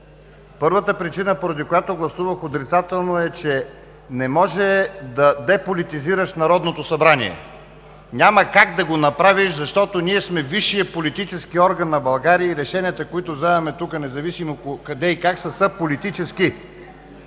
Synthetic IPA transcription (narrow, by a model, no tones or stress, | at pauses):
pɤɾvət̪əpɾit͡ʃinəpoɾɐd̪ikojat̪oɡlˠɐsuvəxot̪ɾit̪sat̪ɛlˠnoɛt͡ʃɛ | nɛmɔʒɛd̪ɐd̪ɛpolit̪iziɾəʃnɐɾɔd̪not̪osɐbɾanḭɛ̰ | nʲaməkaɡd̪ɐɡonɐpɾaviʃzɐʃt̪ɔt̪oniɛsmɛviʃːijəpolit̪it͡ʃɛskiɔɾɡɐnːɐbɐlˠɡaɾiəiɾɛʃɛniət̪əkoit̪ʊvzɛvɛmɛt̪ukənɛzɐvisimokɐd̪ɛikaksəsəpolit̪it͡ʃɛski